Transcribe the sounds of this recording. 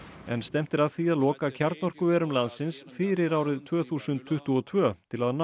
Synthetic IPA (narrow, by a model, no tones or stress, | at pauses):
ɛ̰nst̪ɛm̥t̪ɪɾaðθiaðlɔːkacʰaɾt̪nɔr̥kʏvɛːɾʏmlant̪sɪnsfɪɾɪɾaːwɾɪðt̪ʰvœːθuːsʏnt̪ʰːʏht̪uɔt̪ʰvœːt̪ʰɪlaðn